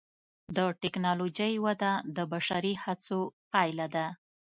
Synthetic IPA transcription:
d̪əʈɛknɑlod͡ʒəjwad̪ad̪əbaʃaɾihat͡sopɑjlad̪a

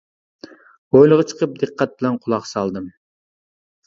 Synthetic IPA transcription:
ojlˠəʁɑt͡ʃʰə̥qəp̚d̪ɨqʰːɑt̪̚bɪlɛnqʰʊlˠɑqsɑlˠd̪ɨm

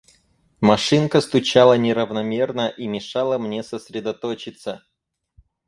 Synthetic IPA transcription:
mɐʂɨnkəst̪ʊt͡ɕalˠənʲɪɾəvnɐmʲe̞rnəʔimʲɪʂɑlˠəmnʲe̞səsʲɾʲɪd̪ɐt̪ot͡ɕɪt̪sə

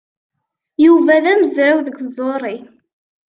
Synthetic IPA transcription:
juvæðæməzɾawðəɡkzˤoɾˤi

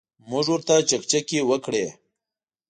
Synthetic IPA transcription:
mʊʐwʊɾt̪at͡ʃakt͡ʃakewəkɽe

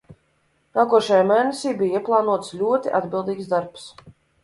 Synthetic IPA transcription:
naːkuɔʃajaːmɛːnɛsʲiːbijiɛplˠɑːnuɔt̪slʲuɔt̪iʔad̪bʲilˠd̪iːksd̪aɾps

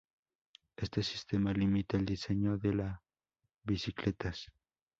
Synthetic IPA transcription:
e̞st̪esi̥st̪emalimit̪eeld̪iseɲoðela | βisiklet̪as

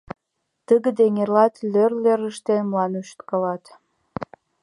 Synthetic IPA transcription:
t̪əɣəd̪eŋerlɑt̪lørleɾəʃt̪enmlɑnuʃt̪kɑlɑt̪

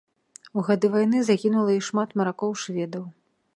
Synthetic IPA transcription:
uɣad̪ɨvajnɨzakʲinulˠɐiʂmat̪mɐɾakɔwʂvʲɛd̪ɐw

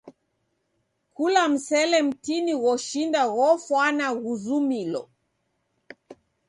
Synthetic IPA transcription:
kulam̩sɛlɛm̩tiniɣɔʃindaɣɔfwanaɣuzumilɔ̰

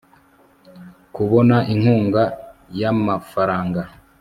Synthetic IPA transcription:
kuβo̞naʔiŋ̥huːŋɡajamafaɾaːŋɡa

